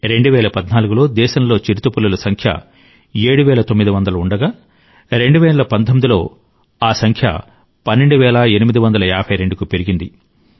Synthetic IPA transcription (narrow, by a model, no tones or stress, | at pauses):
ɾe̞ɳɖuʋɛːlɐpɐd̪naːluɡulo̞ːd̪ɛːʃɐmlo̞ːt͡ʃiɾut̪upulːɐlɐsɐŋkʰjɐ̰ | eːɽuʋɛːlɐt̪omːid̪iʋɐnd̪ɐlɐuɳɖɐɡaː | ɾe̞ɳɖuʋɛːɐlɐpɐnd̪ʰomːid̪ilo̞̰ː | aːsɐŋkʰjɐ̰ | pɐnːe̞ɳɖuʋɛːlɐe̞nimid̪iʋɐnd̪ɐlɐaːbʰʱɐjɾe̞ɳɖukupe̞ɾiɡind̪i